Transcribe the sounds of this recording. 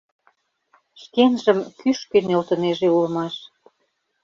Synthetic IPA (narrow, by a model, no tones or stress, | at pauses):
ʃkenʒə̆mkyʃkenelt̪ə̆neʒeulə̆mɑʃ